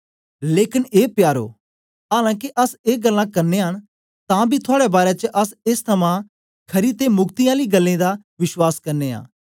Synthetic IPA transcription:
leːkɪneːpjaːɾo̰ː | ɦaːlãːk̬iʔɐseːɡəlːãːkɐɾneːɦəɽ̃ | t̪ãːbʱit̪ʰʊaːɽebaːɾet͡ʃəʔɐsɪst̪ʰɐmãː | kʰɐɾit̪eːmʊɡt̪iaːliɡəlːẽːd̪a | ʋɪʃwaːskɐɾneːa̰ː

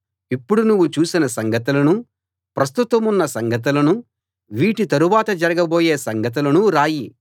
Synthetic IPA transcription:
ipːuɽunuʋːut͡ʃuːsinɐsɐŋɡɐt̪̬ulɐnu | pɾɐst̪ut̪ɐmunːɐsɐŋɡɐt̪̬ulɐnu | ʋiːʈit̪ɐɾuʋaːt̪ɐd͡ʒɐɾɐɡɐboːjeːsɐŋɡɐt̪̬ulɐnuɾaːji

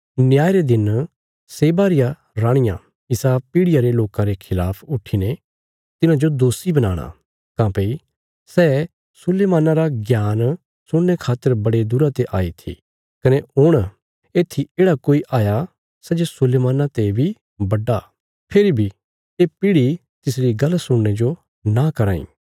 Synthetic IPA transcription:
nɪjaːjɾed̪ɪn | seːbaːɾɪjã | ɾãːɽ̃ɪjã̰ | ɪsapiːɽɪjaɾeloːkãɾekʰɪlaːpʰʊʈʰːine | t̪ɪnãd͡ʒod̪oːsibɐnaːɽ̃a̰ | kãːpei | sɛː | sʊleːmãːnãɾaɡjaːn | sʊɽnekʰaːt̪ːəɾbɐɽed̪ʊɾat̪eʔaːit̪ʰḭ | kɐneʊɽ̃ | eːt̪ʰːieːɽakoːiʔʔaːja | sɛd͡ʒesʊleːmaːnãt̪ebʱi | bɐɖːa | pʰɪɾibʱi | eːpiːɽi | t̪ɪs̬ɾiɡɐlːsʊɽned͡ʒo | nãkɐɾãːḭ̃ː

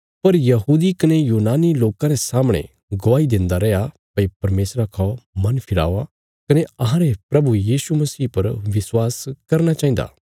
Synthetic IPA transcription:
pɐɾjɐɦuːd̪ikɐnejuːnaːniloːkãɾesaːmɽ̃ḛ̃ | ɡoaːid̪ẽːnd̪aɾɛːja | pɐipɐɾmeːsɾakʰamɐnpʰɪɽa̰ːʋa | kɐneɐɦãɾepɾɐbujiːsumɐsiːpɐɾʋɪswaːskɐɾñat͡ʃaːĩnd̪a̰ː

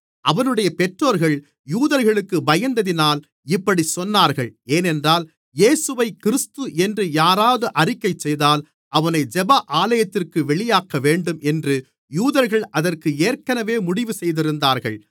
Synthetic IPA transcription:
ʔɐʋɐnɯɽɐjɐpɛʈroːɾɣɐɭ | juːðɐɾɣɐɭɯkːɯbɐjɐnd̪ɐðɪnaːl | ɪpːɐɽisɔnːaːɾɣɐɭeːnɛndraːl | jeːsɯʋɐɪkɪɾɪst̪ɯʔɛndrɯjaːɾaːðɯʔɐrɪkːɐɪt͡ʃːɛjðaːl | ʔɐʋɐnɐɪd͡ʒɛbɐʔaːlɐjɐt̪ːɪrkɯʋɛɭɪjaːkːɐʋeːɳɖɯmʔɛndrɯ | juːðɐɾɣɐɭɐðɐrkɯeːɾkɐnɐʋeːmʊɽɪʋɯsɛjðɪɾɯnd̪aːɾɣɐ̰ɭ

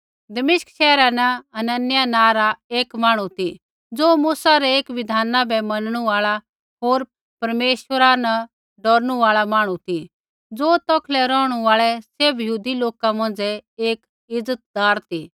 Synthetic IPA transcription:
d̪ɐmɪʃkʃɛːɾanɐɐnɐnjanãːɾaeːkmaːɽ̃ũt̪i | d͡zoːmuːsaɾɛeːkʋɪd̪ʱaːnabɛmɐnɽ̃ũaːɭa | ɦoːɾ | pɐɾmeːʃwəɾanɐ | ɖɔːɾñũaːɭamaːɽ̃ũt̪ʰi | d͡zoːt̪ɔkʰlɛɾɔːɽ̃uaːɭɛsebjəɦuːd̪iloːkamɐ̃ːnd͡zɛeːk | ɪd͡zət̪̚d̪aːɾt̪iː

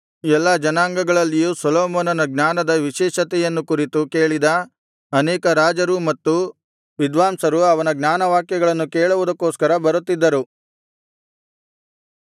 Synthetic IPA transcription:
ɛlːɐd͡ʒɐnaːŋɡɐɡɐɭɐlːijusɐloːmɔːnɐnɐɡnaːnɐd̪ɐʋiʃɛːʃɐt̪ɛjɐnːukuɾit̪uke̞ːɭid̪ɐ | ɐnɛːkɐɾaːd͡ʒɐɾumɐt̪ːu | ʋid̪ʋaːmsɐɾuɐʋɐnɐɡnʲaːnɐʋaːkjɐɡɐɭɐnːukeːɭuʋud̪ɐkːoːskɐɾɐbɐɾut̪ːid̪ːɐɾu

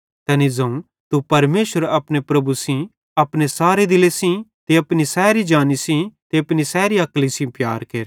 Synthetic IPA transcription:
t̪ɛːnid͡zɐ̃ũ | t̪upɐɾmeːʃəɾɐpnepɾɐbusĩ | ɐpnesaːɾed̪ɪlesĩt̪eɐpnisɛːɾid͡ʒaːnisĩt̪eɐpnisɛːɾiɐklisĩpja̰ːɾkeːɾ

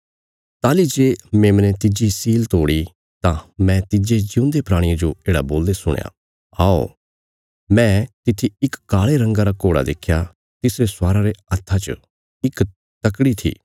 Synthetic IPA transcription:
t̪aːlid͡ʒeːmẽːmnẽt̪ɪd͡ʒisiːlt̪oːɽi | t̪ãmɛ̃t̪ɪd͡ʒed͡ʒɪʊ̃nd̪epɾaːɽ̃iãd͡ʒoeːɽa̰boːld̪esʊ̰ɽ̃ja̰ | a̰ːo̰ | mɛ̃t̪ɪt̪ʰiɪkkaːɭeɾɐ̃ŋɡaɾakoːɽa̰d̪eːkʰːja | t̪ɪsɾesaːɾaɾeɐt̪ʰːat͡ʃə̰ | ɪk | t̪ɐkɽit̪ʰḭː

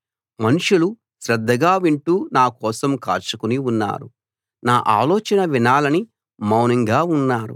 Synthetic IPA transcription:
mɐnuʂulu | sɾɐd̪ʱːɐɡaːʋiɳʈuːnaːkɔːsɐmka̰ːɾt͡ʃukuniunːa̰ːɾu | naːʔaːlɔːt͡ʃɐnɐʋinaːlɐni | mɐwnɐŋɡaːunːaːɾṵ

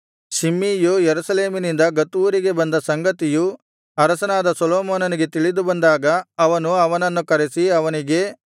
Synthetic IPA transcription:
ʃimːiːjujeɾusɐle̞ːminind̪ɐɡɐt̪uːɾiɡe̞bɐnd̪ɐsɐŋɡɐt̪iju | ɐɾɐsɐnaːd̪ɐsɔloːmoːnɐniɡe̞t̪iɭid̪ubɐnd̪aːɡɐɐʋɐnuɐʋɐnɐnːukɐɾesiɐʋɐniɡe̞

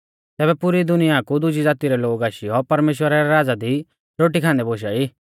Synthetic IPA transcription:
t̪ɛːbɛpʊɾid̪ʊnɪjakud̪ʊd͡ʒid͡zaːt̪iɾɛloːɡaːʃiɔpɐɾmeːʃwəɾaɾɛɾaːd͡zad̪i | ɾoːʈikʰãːnd̪ɛboːʃ̬aiː

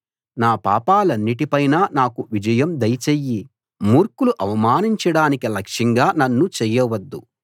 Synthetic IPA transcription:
naːpa̰ːpaːlɐnːiʈipɐjnaːnaːkuʋid͡ʒɐjɐmd̪ɐjt͡ʃejːi | muːɾkuluʔɐʋɐmaːniɲt͡ʃɐɽaːnikilɐkʂɐŋɡaːnɐnːut͡ʃɛjːɐʋɐd̪ːu

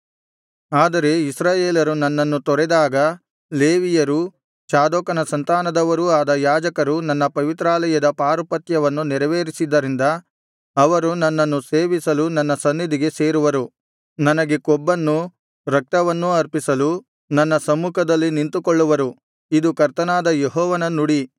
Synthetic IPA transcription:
aːd̪ɐɾe̞isɾaːjeːlɐɾunɐnːɐnːut̪ɔɾɛd̪aːɡɐ | le̞ːʋijɐɾu | t͡ʃaːd̪ɔːkɐnɐsɐnt̪aːnɐd̪ɐʋɐɾuaːd̪ɐjaːd͡ʒɐkɐɾunɐnːɐpɐʋit̪ɾaːlɐjɐd̪ɐpaːɾupɐt̪jɐʋɐnːuniɾɐʋeːɾisid̪ːɐɾind̪ɐː | ʋɐɾunɐnːɐnːuse̞ːʋisɐlunɐnːɐsɐnːid̪iɡe̞se̞ːɾuʋɐɾu | nɐnɐɡe̞kɔbːɐnːu | ɾɐk̚t̪ɐʋɐnːuɐɾpisɐlu | nɐnːɐsɐmːuːkʰɐd̪ɐlːinint̪ukɔɭːuʋɐɾu | id̪ukɐɾt̪ɐnaːd̪ɐjeɦɔːʋɐnɐnuɽi

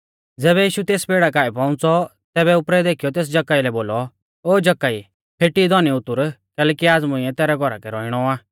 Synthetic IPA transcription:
d͡zɛːβɛjiːʃut̪eːspeːɽakaːipɔ̃ʊ̃t͡sɔ | t̪ɛːbɛʊpɾɛd̪eːkʰijɔt̪eːs̬d͡ʒɐkːaːilɛboːlɔ | oːd͡ʒɐkːai | pʰeʈid̪ʱɔniʊt̪ːʊɾkɛːlɛkiaːd͡zmʊ̃iɛt̪ɛːɾɛɡʱɔɾa̰kɛɾɔɪɽ̃ɔaː

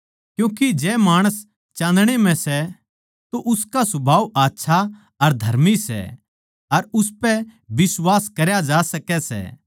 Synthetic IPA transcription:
kjũːkid͡ʒɛːmaːɽ̃əs | t͡ʃãːd̪ɽ̃emɛ̃sɛ | t̪oʔʊskasʊbʱaːʋaːtːʃʰa | ɐɾd̪ʱɐɾmisɛ̰ | ɐɾʊspɛbɪswaːskɐɾjad͡ʒaːsɐkɛsɛ̰ː

